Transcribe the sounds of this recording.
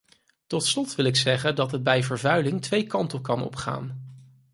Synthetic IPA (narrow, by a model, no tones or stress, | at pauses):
tɔtslɔtʋɪlɪksɛχəndɑtɦəd̚bɛjvəɹvœɥlɪŋtʋejkɑntəkɑnɔ̰pχa̰ːn